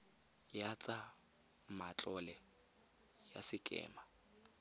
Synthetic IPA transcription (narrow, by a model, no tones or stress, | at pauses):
jat͡sʼa | mat͡ɬʼɔlɛ | ja̰sɪkʼɛ̰ːma